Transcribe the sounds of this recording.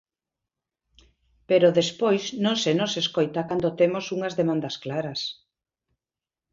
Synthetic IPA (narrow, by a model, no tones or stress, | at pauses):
peɾoðespojsnõŋsenoseskojt̪akand̪ot̪emosuŋɐzðemãnd̪ɐsklaɾɐs